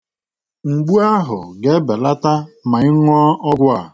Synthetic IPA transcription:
ŋ͡m̩˨ɡ͡bu˦a˦ɦʊ̰˨ɡe˦be˨la˦ta˦ma˨ɪ˦ŋʷɔ˦ɔ˦ɡʷʊ˦a̰˨

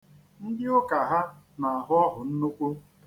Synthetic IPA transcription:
n̩˦dɪ˦ʊ˦ka˨ɦa˦ | na˨a˨ɦʊ˦ɔ˦ɦʊ˨n̩˦no˦kʷo˦

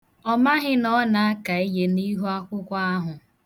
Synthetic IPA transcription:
ɔ˦ma˦ɦɪ˦nɔ˦na˨a˦ka˨i˦je˦ni˦ɦu˦a˦kʷʊ˦kʷa˦a˦ɦʊ˨

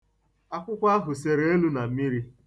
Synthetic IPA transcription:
a˦kʷʊ˦kʷa˦a˦ɦʊ˨se˨ɾe˦e˦lu˦na˨mi˦ɾi˦

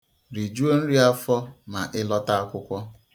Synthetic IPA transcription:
ɾi˨d͡ʒu˦o˦n̩˦ɾi˦a˦fɔ˦ma̰˨ʔɪ˦lɔ˦ta˦a˦kʷʊ˦kʷɔ˦

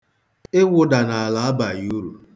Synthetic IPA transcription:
ɪ˦wʊ˨da˨na˨a˨la˨a˦ba˨ju˦ɾu˨

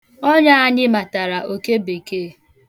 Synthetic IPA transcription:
ɔ˦ɲa˦a˦ɲɪ˦ma˨ta˨ɾa˨ʔo˨ke˦be˨keː˦˨

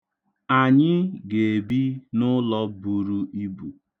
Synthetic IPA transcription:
a˨ɲɪ˦ɡe˨bi˦nʊ˦lɔ˦bu˨ɾu˦i˦bu˨

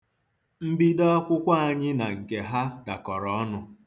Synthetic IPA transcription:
m̩˦bi˦dɔ˦kʷʊ˦kʷa˦a˨ɲɪ˦na˨ŋ̩˨ke˨ɦa˦da˨kɔ˨ɾɔ˨ɔ˦nʊ˦

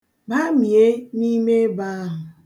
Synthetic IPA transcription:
ba˦mi˨e˦ni˦me˦ba˦ɦʊ˨

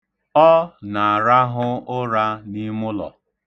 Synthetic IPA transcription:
ɔ˦na˨a˨ɾa˦ɦʊ˦ʊ˦ɾa˦ni˦mʊ˦lɔ̰˨

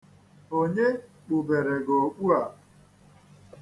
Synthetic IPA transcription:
o˦ɲe˦ | k͡pu˨be˨ɾe˨ɡo˨k͡pu˦a˨

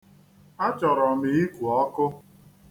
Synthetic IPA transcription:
a˦t͡ʃɔ˨ɾɔ˨mi˨i˦kʷu˨ɔ˦kʊ˦

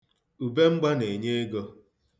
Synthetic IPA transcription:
u˨be˦ŋ͡m̩˦ɡ͡ba˦ne˨ɲe˦e˦ɡo˦

